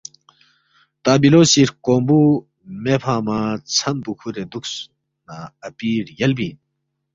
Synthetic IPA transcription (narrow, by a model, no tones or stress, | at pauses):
t̪aːbiloːsiɾkombu | mepʰaːmat͡sʰɐnpukʰuɾed̪uks | naɐpiːɾjɐlbiːn